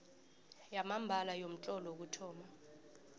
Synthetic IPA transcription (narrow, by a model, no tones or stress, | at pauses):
jamambʱalajom̩t͡ɬʼɔlɔk̬utʰɔːma